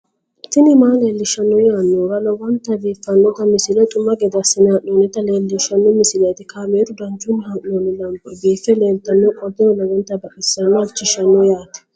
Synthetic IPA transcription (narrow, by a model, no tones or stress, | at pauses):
t̪ːɪnɪmaːleːlːɪʃɐnːɔjaːnːɔɾɐlɔwɔnt̪ːɐbiːfːɐnːɔt̪ɐmɪsɪlɐt̪ʼʊmːɐɡɛd̪ɐsɪnaʔoːnɪt̪ɐleːlːɪʃɐnːɔmɪsɪlɐjt̪ɪkaːmeːd̪ʊd̪ɐnt͡ʃʼʊnɪhɐʔnoːnɪlɐmpʼːɔbiːfɛle̞ːlt̪ɐnːɔkʼɔd̪ɛɔlɐɡɛnt̪ɐbɐʔʼɪsːɐnːɔɐt͡ʃːɪʃɐnːɔjaːt̪ɛ̥